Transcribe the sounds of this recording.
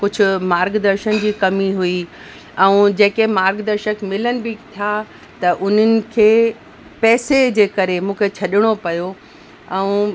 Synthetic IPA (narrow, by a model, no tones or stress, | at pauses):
kʊd͡ʑʱʊ̆maːɾɡd̪ɐɾʃənɪ̆d͡ʑiːkɐmiɦui | ɛ̃ũd͡ʑeːkemaːɾɡd̪əɾʃəkmɪlənɪ̆bɪt̪ʰa | t̪ɐʔʊn̤ənɪ̆kʰeː | pɛːsed͡ʑeːkɐɾemũːkʰet͡ɕʰɐɗɪɽ̃opɐjo | ɛ̃ũ